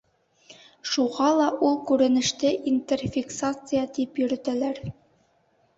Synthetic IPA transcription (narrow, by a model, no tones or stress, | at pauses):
ʃuʁɑlˠɑʔulˠkʉɾɘ̆nɘ̆ʃt̪ɘʔint̪ʲerfʲiksat̪sɨjət̪ipjɵ̆ɾɘ̆t̪ælæɾ